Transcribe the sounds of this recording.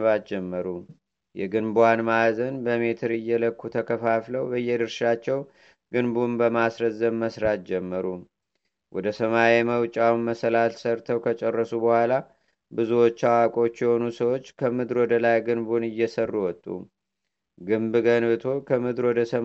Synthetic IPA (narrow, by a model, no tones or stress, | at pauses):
βat̪̚d͡ʒɛmːəɾu | jɛɡɨnbwanmazənbəme̞t̪ʰɨɾɨjːɛləkːut̪ʰəkʰəfafləwbəjːɛd̪ɨɾʃat͡ʃːɛw | ɡ̥ɨnbunbəmasɾəzːəmməsɾat̪̚d͡ʒɛmːəɾu | wɔd̪əsəmajeməwt͡ʃʼawnməsəlalsəɾt̪ʰəwkʰət͡ʃʼɛrːəsubəhʷala | bɨzuwot͡ʃːawakʼo̞t͡ʃːjɛho̞nusəwot͡ʃːkʰəmɨd̪ɾwɔd̪əlajɡɨnbunɨjːɛsərːuwɔt̪ʼːṵ | ɡɨmbɡənbɨt̪ʰo̞kʰəmɨd̪ɾwɔd̪əsə